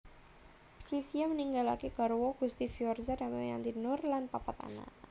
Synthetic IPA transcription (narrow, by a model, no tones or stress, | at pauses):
kɾisiaməniŋɡalakeɡ̥a̤ɾwoɡ̥ust̪ifijɔrzada̤maja̰nt̪inʊrlanpapat̪a̰na̰